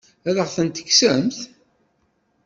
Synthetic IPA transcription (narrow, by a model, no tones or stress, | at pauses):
æðəʁθənt̪ə̥çsəmθ